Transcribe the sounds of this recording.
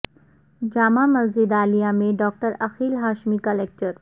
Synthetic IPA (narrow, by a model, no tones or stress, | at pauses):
d͡ʒaːmãmɐd͡ʒɪd̪aːlijamẽɖɔːk̚ʈəɾɐxiːlɦaːʃmikɐlɛːk̚ʈəɾ